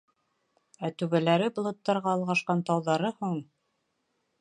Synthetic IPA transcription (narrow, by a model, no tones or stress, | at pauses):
æt̪ʉβælæɾɘblˠŏt̪ːɑɾʁɑːlˠʁɑʃqɑnt̪ɑwðɑɾɤhuɴ